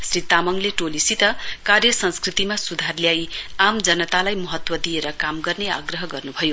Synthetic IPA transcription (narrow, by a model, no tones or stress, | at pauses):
srit̪amʌŋleʈolisit̪ʌkarjʌsʌnskrit̪imasud̪ʱarljajamd͡zʌnʌt̪alajmʌɦʌt̪wʌd̪ieɾʌkamɡʌrnea̰ɡrʌɦʌɡʌrnubʱʌjo